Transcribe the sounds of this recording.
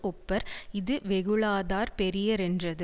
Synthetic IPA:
ʔɔpːɐɾɪðɯʋɛɣɯɭaːðaːɾpɛɾɪjɐɾɛndrɐðɯ

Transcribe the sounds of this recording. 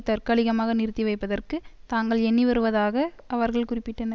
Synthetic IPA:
t̪ɐɾkɐɭɪɣɐmaːɣɐnɪɾt̪ːiʋɐɪpːɐðɐrkɯt̪aːŋɡɐɭɛɳːiʋɐɾɯʋɐðaːɣɐʔɐʋɐɾɣɐɭkʊrɪpːɪʈːɯnd̪ɐ

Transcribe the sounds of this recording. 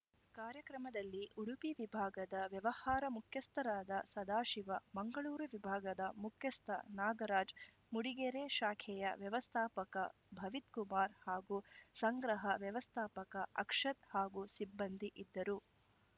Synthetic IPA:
kaːɾjɐkɾɐmɐd̪ɐlːiʔuɽupiʋibʱaːɡɐd̪ɐʋjɐʋɐhaːɾɐmukʰjɐst̪ʰɐɾaːd̪ɐsɐd̪aːʃiʋɐmɐŋɡɐɭuːɾuʋibʱaːɡɐd̪ɐmukʰjɐst̪ʰɐ̰naːɡɐɾaːd͡ʒ | muɽiɡɛɾeːʃaːkʰɛjɐʋjɐʋɐst̪ʰaːpɐkɐ̰ | bʱɐʋit̪kumaːɾhaːɡuːsɐŋɡɾɐɦɐʋjɐʋɐst̪ʰaːpɐkɐʔɐkʂɐt̪haːɡuːsibːɐnd̪ʱiʔid̪ːɐɾu

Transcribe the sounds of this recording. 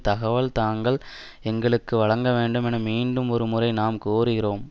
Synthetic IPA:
t̪ɐɣɐʋɐɭt̪aːŋɡɐɭ | ɛŋɡɐɭɯkːɯʋɐɭɐŋɡɐʋeːɳɖɯmɛnɐmiːɳɖɯmɔɾɯmʊrɐɪnaːmkoːɾɯɣɪroːm

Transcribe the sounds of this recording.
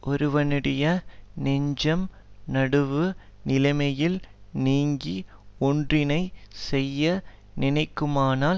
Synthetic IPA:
ʔɔɾɯʋɐnɪɽɐjɐnɛɲd͡ʒɐm | nɐɽɯʋɯnɪlɐɪmɐjɪlniːŋɡiɔndrɪnɐɪsɛjːɐ | nɪnɐɪkːɯmaːnaːl

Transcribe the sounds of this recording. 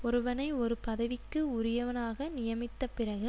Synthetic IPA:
ɔɾɯʋɐnɐɪɔɾɯpɐðɐʋɪkːɯʊɾɪjɐʋɐnaːɣɐnɪjɐmɪt̪ːɐpɪrɐɣɯ

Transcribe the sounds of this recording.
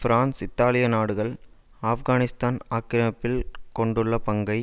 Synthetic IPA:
fɾaːnsɪt̪ːaːlɪjɐnaːɽɯɣɐɭ | aːfɣaːnɪst̪aːnaːkːɪɾɐmɐpːɪlkɔɳɖɯɭːɐpɐŋɡɐɪ

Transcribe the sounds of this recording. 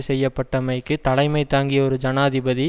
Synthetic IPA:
sɛjːɐpːɐʈːɐmɐɪkːɯt̪ɐlɐɪmɐɪt̪ːaːŋɡɪjɐɔɾɯd͡ʒɐnaːɐðɪbɐði

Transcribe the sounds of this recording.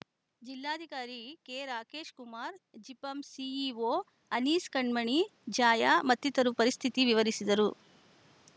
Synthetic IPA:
d͡ʒilːaːd̪ʱikaːɾikeːɾaːkeːʃkumaːɾd͡ʒipɐmsiiʋoː | ɐniːskɐɳmɐɳid͡ʒaːjamɐt̪ːit̪ɐɾupɐɾist̪ʰit̪iʋiʋɐɾisid̪ɐɾu

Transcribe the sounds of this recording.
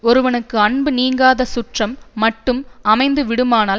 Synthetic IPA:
ɔɾɯʋɐnɯkːɯɐɳbɯniːŋɡaːðɐsʊʈrɐmːɐʈːɯmɐmɐɪnd̪ɯʋɪɽɯmaːnaː

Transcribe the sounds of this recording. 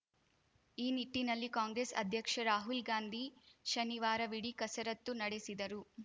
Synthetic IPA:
iːniʈːinɐlːikaːŋɡɾesɐ̰d̪ʱjɐkʂɐɾaːɦulɡaːnd̪ʱiʃɐniʋaːɾɐʋiɽikɐsɐɾɐt̪ːunɐɽesid̪ɐɾu

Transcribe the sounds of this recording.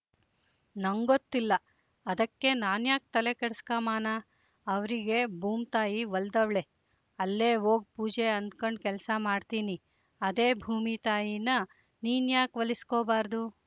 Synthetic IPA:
nɐŋɡot̪ːilːɐ | ɐd̪ɐkːe̞naːnjaːk̚t̪ɐle̞keɽskaːmaːnaː | ɐʋɾiɡe̞bʱuːmt̪aːjiʋɐld̪ɐʋɭe̞ | ɐlːeːɦoːɡ̚puːd͡ʒe̞ɐnd̪kɐɳɖ̚kɛlsɐmaːɖt̪iːni | ɐd̪e̞ːbʱuːmit̪aːjinɐ | niːnjaːkʋɐliskoːbaːɾd̪u

